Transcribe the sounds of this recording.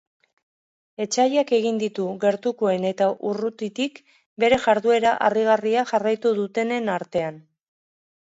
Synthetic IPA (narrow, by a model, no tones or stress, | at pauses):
e̞t͡ʃajake̞ɣ̞ind̪it̪uɣe̞ɾt̪uko̞e̞ne̞t̪aʔurut̪it̪ik | be̞ɾe̞ʝaɾðue̞ɾaʔariɣ̞ariaʝarajt̪uðut̪e̞ne̞naɾt̪e̞an